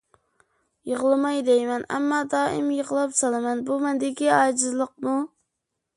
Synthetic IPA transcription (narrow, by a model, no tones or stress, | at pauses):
jəʁlˠɨmɑjd̪ejmɛnɛ̰mːɑd̪ɑːimjəʁlˠɑpsɑlˠɨmɛnbumɛnd̪ɪkʲiɑːd͡ʒɪzlˠəq̚mu